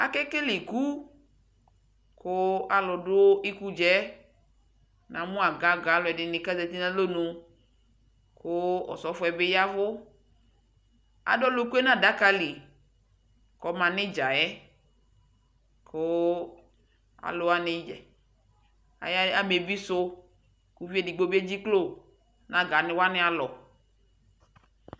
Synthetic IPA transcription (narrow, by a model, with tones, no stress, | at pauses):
a˨kɛ˦kɪ˦lɪ˨ku˦ | kʊ˦a˨lʊ˨dʊ˦i˦ku˦d͡ʒɛ˦ | nã˨mʊ̃˦a˨ɡa˨˦ɡa˨˦lʊ˨ɛ˨dɪ˨nɪ˨ka˦zɛ˨t̪i˦nã˦lo˦nʊ˨ | kʊ˦ɔ̰˨sɔ˨˦fʊ˦ɛ˨bɪ˦ja˦vʊ˦ | a̰˨dɔ˦lʊ˦ku˦ɛ˦nã˦da˦ka˦li˨ | kɔ˨mã˨nɪ̃˦d͡ʒa˨jɛ˦ | kʰʊ˦ | a̰˨lʊ˨a˦nɪ˦d͡ʒɛ˨ | a̰˨ja˦a˨me˨bi˦sʊ˦ | ku˨˦vi˦ɛ˦dɪ˨ɡ͡bo˦bi˦e˦d͡ʑi˦klo˦˨ | nã˨ɡa˨nɪ̃˨wa˦nɪ̃˦a˨lɔ˨